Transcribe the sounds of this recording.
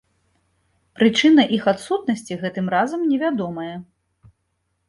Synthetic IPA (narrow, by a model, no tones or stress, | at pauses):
pɾɨt͡ʂɨnɐʔixat̪sut̪̚nɐsʲt͡sʲiɣɛt̪ɨmɾazɐmnʲɛvʲad̪ɔmɐjɛ